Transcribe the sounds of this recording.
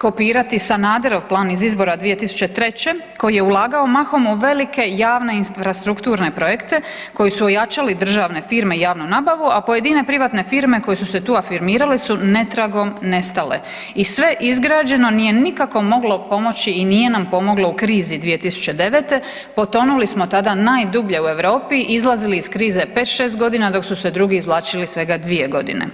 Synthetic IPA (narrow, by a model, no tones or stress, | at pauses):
ko̞piːɾat̪isanaːd̪eɾo̞ʋplˠaːnizizbo̞ɾad̪ʋije̞t̪isu̥t͡ɕe̞t̪ɾe̞t͡ɕe̞ | ko̞jije̞ulˠaːɡao̞maxo̞muʋe̞like̞jaːʋne̞infɾast̪ɾukt̪uːɾne̞pɾo̞je̞kt̪e̞ | ko̞jisuojat͡ʃalid̪ɾr̩ʒaːʋne̞fiːɾme̞ijaːʋnunaːbaʋuapo̞je̞d̪ine̞pɾiʋat̪ne̞fiɾme̞ko̞jesuse̞t̪uːafiɾmiːɾalisune̞t̪ɾaɡo̞mne̞st̪ale̞̰ | isʋe̞ʔizɡɾaːd͡ʑe̞no̞nijenikako̞mo̞ɡlo̞po̞mo̞t͡ɕiːnije̞nampo̞mo̞ɡlˠo̞ukɾiːzid̪ʋije̞t̪isu̥t͡ʃe̞d̪e̞ʋet̪e̞ | po̞t̪o̞nulismo̞t̪ad̪anaːjd̪ubʎe̞ue̞ʋɾo̞ːpiʔizlˠaziliːskɾiːze̞pe̞ːt̪ʃeːst̪ɡo̞d̪inad̪o̞ksused̪ɾuɡiːzʋlˠaːt͡ʃilisʋe̞ɡad̪ʋije̞ɡo̞d̪ḭnḛ